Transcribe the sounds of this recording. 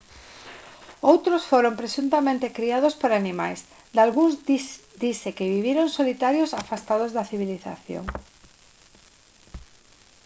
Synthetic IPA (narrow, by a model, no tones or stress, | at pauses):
owt̪ɾosfoɾompɾesunt̪amẽnt̪ekɾiað̞ospoɾanimajs | d̪alɣuŋz | d̪isekɪβiβiɾoŋsolit̪aɾjosafast̪að̞ozðaθiβ̞iliθa̰θjo̰ŋ